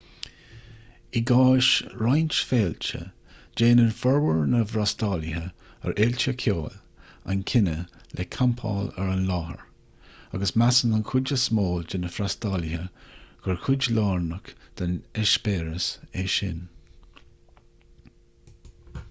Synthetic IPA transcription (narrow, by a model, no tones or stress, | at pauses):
iɡɑːʃɹajnt͡ʃfeːlt͡ʃə̰ | d͡ʒeːnənfɔɹwəɹnəvɾastɑːlɪɦə | ə̰ɹʔelt͡ʃəkʰoːl | a̰nkʰɪnəlʔekʰampʰa̰ːləɹanlɑːhə̰ɹ | aɡəsmasənankʰʊd͡ʒəsmoːld͡ʒɪnəfɾastalɪɦəɡ̥əɹkʰʊd͡ʒlɑːɹnəkd̪̥anɛʃbeːɹəseʃɪ̰n